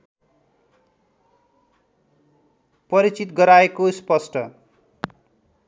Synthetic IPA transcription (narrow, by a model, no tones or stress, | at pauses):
pʌɾit͡sit̪ɡʌɾaekospʌsʈʰʌ